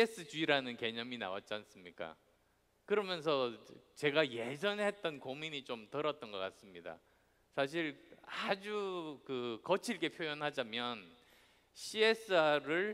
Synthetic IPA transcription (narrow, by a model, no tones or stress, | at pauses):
es͈ɯt͡ɕuiɾanɯnke̞ɲʌmina̰wa̰t̚t͡ɕ͈ians͈ɯmɲik͈a̰ | kɯɾʌmjʌns̬ʰʌt͡ɕe̞ɡaje̞d͡ʑʌnhe̞t̚t͈ʌnkomiɲit͡ɕomtʌɾʌt̚t͈ʌnɡʌk͈ats͈ɯmɲida̰ | sʰaɕ̬ʰiɭad͡ʑukɯkʌt͡ɕʰiɭk͈e̞pʰjojʌnɦad͡ʑamjʌn | ɕʰies͈ʰɯaɾɯɭ